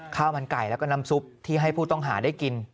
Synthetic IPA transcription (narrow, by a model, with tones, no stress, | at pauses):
kʰaː˥˩wma˧nka˨˩jlɛ˦˥kɔ˥˩na˦˥msu˦˥p̚t̪ʰiː˥˩ɦa˥˩jpʰuː˥˩t̪ɔ˥˩ŋɦaː˩˦daː˥˩jki˧n